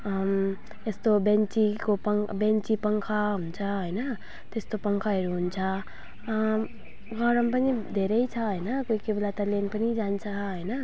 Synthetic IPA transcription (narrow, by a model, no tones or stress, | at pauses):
m | est̪obent͡sikopʌŋbent͡sipʌŋkʰʌɦunt͡sʰʌɦojnʌ | t̪est̪opʌŋkʰʌɦeɾuɦunt͡sʰʌ | ɡʱʌɾʌmpʌnid̪ʱeɾʌjt͡sʰʌɦojnʌkoikebelat̪ʌlenpʌnid͡zant͡sʰʌɦʌjnʌ